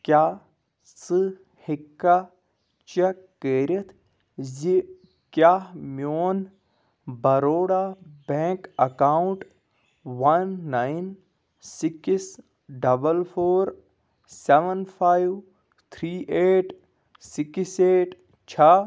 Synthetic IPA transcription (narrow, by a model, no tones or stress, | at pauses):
kjaː | sɨ | hikːa | t͡ʃekːeːɾɐt̪ʰ | zi | kjaːmjoːn | bɐɾoːɽabẽːŋkɐkaːwuɳʈ | wɐnːajn | sikis | ɖɐbəlpʰoːɾ | seʋənpʰajw | t̪ʰɾiːʔeːʈ | sikiseːʈ | t͡ʃʰa